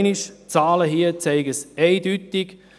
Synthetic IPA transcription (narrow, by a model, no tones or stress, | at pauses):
niʃt͡saːləɦiːət͡sɛɪɡəsɛɪdytɪɡ̥